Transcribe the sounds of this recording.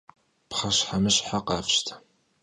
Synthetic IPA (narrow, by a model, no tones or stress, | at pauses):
pχɐɕħamɨɕħaqɑ̰ːfʃtʰɐ̥